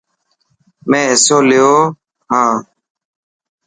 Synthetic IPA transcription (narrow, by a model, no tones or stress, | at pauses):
mẽːɪsoːlɪjoː | ɦãː